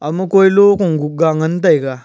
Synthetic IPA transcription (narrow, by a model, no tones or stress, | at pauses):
amukoilokuŋɡuɡaŋant̬aika